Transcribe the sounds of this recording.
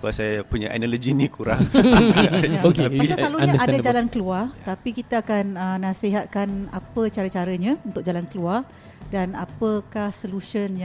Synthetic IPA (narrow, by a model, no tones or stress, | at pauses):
kasajapuɲaʔa̰nalod͡ʒinikuɾa̰ŋ | okeaaisaslaluɲaadad͡ʒalankəluart̪apikit̪aakanənːasiɦat̪̚kanapət͡ʃaɾət͡ʃaɾəɲãunt̪ʊk̚d͡ʒalankəluar | danapəkahsoluʃənj